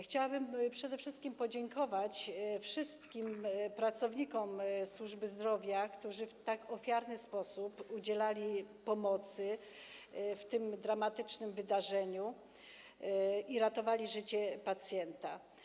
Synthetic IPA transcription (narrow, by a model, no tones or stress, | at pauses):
xt͡ɕawabɘmpʂɛd̪ɛfʂɘst̪kʲimpɔd͡ʑɛŋkɔvat͡ɕfʂɘst̪kʲimpɾat̪sɔvɲikɔmswuʐbɘzd̪ɾɔvʲjakt̪uʐɘft̪akɔfʲjaɾnɘspɔsupud͡ʑɛlalʲipɔmɔt̪sɘ | ft̪ɘmd̪ɾamat̪ɘt͡ʂnɘmvɘd̪aʐɛɲu | iɾat̪ɔvalʲiʐɘt͡ɕɛpat̪sʲjɛnt̪a